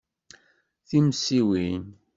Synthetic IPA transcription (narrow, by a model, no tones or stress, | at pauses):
θimsiwin